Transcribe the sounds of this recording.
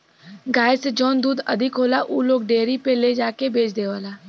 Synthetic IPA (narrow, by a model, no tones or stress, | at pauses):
ɡaːjsed͡ʒɔːnd̪uːd̪ɐd̪ʱɪkɦoːlaʔuːloːɡɖeːɾipeled͡ʒaːkebeːt͡ʃʰd̪eːʋaːlaː